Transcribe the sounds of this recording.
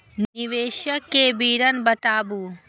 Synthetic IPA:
nniʋeːʃjɐkeːbiːɾɐnbɐt̪aːbu

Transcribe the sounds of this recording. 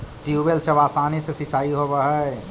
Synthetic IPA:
ʈiubelsebaːsanisesit͡ʃaːiɦobəɦə

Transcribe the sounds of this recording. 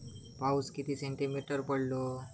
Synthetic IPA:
pauskit̪iseɳʈimiʈəɾpəɽlo

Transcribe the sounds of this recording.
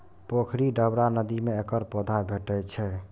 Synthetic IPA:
pokʰɾiɖəbɾanəd̪imeekəɾpod̪ʱajbʱeʈət͡ʃʰɛ

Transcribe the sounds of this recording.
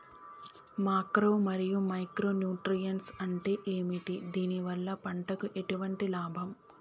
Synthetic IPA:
maːkɾo̞ːmɐɾijumɐjkɾo̞ːnjuːʈɾijɐnsɐɳʈe̞ːʔeːmiʈid̪iːniʋɐlːɐpɐɳʈɐkuʔe̞ʈuʋɐɳʈilaːbʱɐm

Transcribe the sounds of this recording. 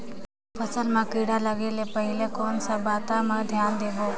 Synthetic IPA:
pʰəsəlmãkiɽaləɡeːlepəɦɪlekɔːnsabaːt̪amẽd̪ʱjaːnd̪eːboː

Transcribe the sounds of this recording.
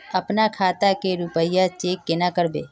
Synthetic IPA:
əpnakʰaːt̪akeɾupəjat͡ʃeːkːenakəɾbḛː

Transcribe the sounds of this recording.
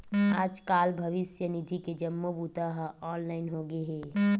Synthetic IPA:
aːd͡ʒkaːlbʱɐʋɪsjənid̪ʱiked͡ʒəmːobut̪aɦɔːnlaːɪnɦoɡeɦɛː

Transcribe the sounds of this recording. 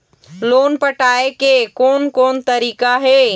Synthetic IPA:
loːnpəʈaːekekoːnkoːnt̪əɾiːkaɦeː

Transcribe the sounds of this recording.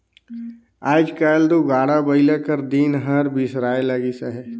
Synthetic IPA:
aːd͡ʒkaːld̪uɡaːɽabəɪlekəɾd̪iːnɦəɾbʱisɾaːeləɡisəɦɛ

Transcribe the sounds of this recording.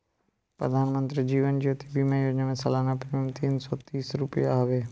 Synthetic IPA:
pɾə̰d̪ʱaːnmə̃nt̪ɾiːd͡ʒiːʋənd͡ʒiot̪ʰibimãiʋəɲəmẽsəlaːnapɾəmt̪iːnsɔːt̪iːsɾʊpijaaːʋeː

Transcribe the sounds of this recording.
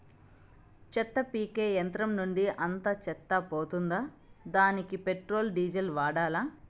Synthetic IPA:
t͡ʃɛt̪ːɐpiːkeːjɐnt̪ɾɐmnuɳɖiʔɐnt̪ɐt͡ʃɛt̪ːɐpoːt̪und̪aː | d̪aːnikipeʈɾo̞ːlɖiːd͡ʒɐlʋaːɽaːlaː

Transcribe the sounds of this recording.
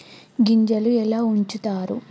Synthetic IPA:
ɡiɲd͡ʒɐluɛlaːuɲt͡ʃut̪aːɾu

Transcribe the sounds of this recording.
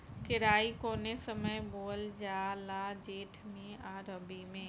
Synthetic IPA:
kɪɾaːikoːnesəməjboːld͡ʒaːlaːd͡ʒeːʈʰmĩaːɾəbimẽː

